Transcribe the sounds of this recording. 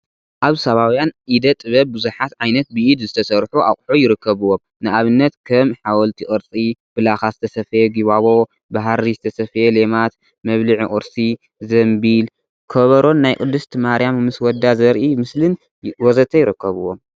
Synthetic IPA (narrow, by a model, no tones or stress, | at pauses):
ʔaβsɐβawjanʔid̪ɐt̪ʼɨβɐbbɨzuħat̪ʕajnɐt̪̚bɨʔid̪zɨt̪ʰɐsɐɾħua̰χʼħujɪɾɨkʰːɐβuwom | nɨaβɨnːɐt̪kʰɐmħawɔlt̪ʰiʔʼɨɾt͡sʼib̥ɨlaxazɨt̪ʰɐsɐfjeɡiβaβo̞ | baɦaɾizɨt̪ʰɐsɐfjelemat̪ | mɐβlɨʕiʔʼuɾsi | zɐmbil | kʰɐβɐɾo̞nːajkʼɨd̪ːɨst̪ʰmaɾijammɨswɔd̪ːazɐɾʔimɨslɨn | wɔzɐt̪ʰɐjɪɾɨkːɐβɨwom